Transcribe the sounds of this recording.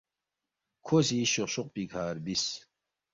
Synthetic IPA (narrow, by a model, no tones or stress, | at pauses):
kʰosiɕoɕoq̚pikʰaːɾbis